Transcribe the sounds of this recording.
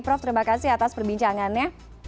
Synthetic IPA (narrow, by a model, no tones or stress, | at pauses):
pɾɔft̪əɾimakasiɦat̪aspərbiɲt͡ʃaŋanja